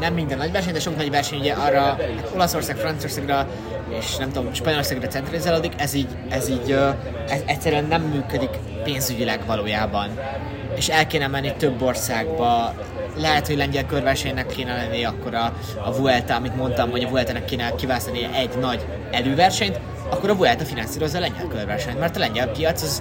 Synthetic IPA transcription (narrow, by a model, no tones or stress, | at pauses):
nɛmːind̪ɛnːɒɟvɛrʃ̬ɛɲd̪ɛʃo̞knɒɟvɛrʃɛɲuɟɛʔɒrːɒhat̪o̞lɒso̞rsaːkfrɒnt̪sio̞rsaːɡrɒ | eːʃnɛmt̪oomʃpɒɲolo̞rsaːɡrɒt̪sɛnt̪rɑlizaːloːd̪ikɛziːɟ | ɛziːɟø | ɛzɛcʲsɛɾyɛnːɛmːyːkød̪ik | peːnzyɟilɛɡvɒloːjaːbɒn | eːʃɛlkeːnɛmɛnːit̪øbːo̞rsaːɡbɒ | lɛɦɛt̪ho̞ɟlɛɲɟɛlkørvɛrʃɛɲnɛkːeːnɛlɛnːiɒkːo̞ɾɒː | vuɛlt̪ɒɒmit̪mo̞nt̪ɒmɦo̞ɟɒvuɛlt̪ɑnɛkːeːnɛkːivaːsɒnḭʔɛɟnɒɟ | ɛløːvɛrʃɛɲt̪ | ɒkːoɾɒvuɛlt̪ɒfinɒnsiːɾo̞zːɒːlɛɲɟɛ̰lkørvɛrʃɛɲt̪mɛrt̪ɒlɛɲɟɛlpijɒt̪sɒz